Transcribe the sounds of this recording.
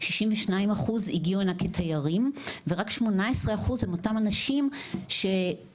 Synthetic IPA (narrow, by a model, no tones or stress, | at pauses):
ʃiʃimveʃnaimaχuziɡiuenakʰetʰajaʁimveʁakʃmo̞naesʁeaχuzhemo̞tamanaʃimʃe̞